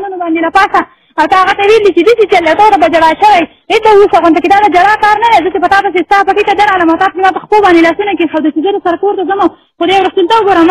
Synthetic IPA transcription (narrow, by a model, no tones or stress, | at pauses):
nunobɑnd̪elapɑsa | awt̪ɑaɣat̪awelit͡ʃed̪əsit͡ʃalːat̪at̪abad͡ʒaɽɑʃəwaj | et̪awusaɣont̪aked̪ɑd̪əd͡ʒaɽɑkɑɾnad̪azət͡ʃepət̪ɑp̪asest̪ɑpaʈit̪ad̪əɾɑlamawt̪ɑt̪̚kemɑpəxpobɑnd̪elɑsunakexawd̪ət͡ʃizəlosaɾakoɾt̪azəma | xod̪ajwɾast̪ult̪awəɡoɾam